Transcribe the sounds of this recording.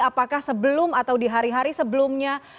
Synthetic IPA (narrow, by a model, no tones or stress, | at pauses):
apakahsəbəlʊmat̪awdiɦaɾiɦaɾisəbəlʊmɲa